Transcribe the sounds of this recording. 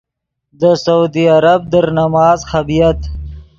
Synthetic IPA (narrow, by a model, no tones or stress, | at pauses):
d̪əsaud̪iaɾab̚d̪əɾnamɑːzxɐbijat̪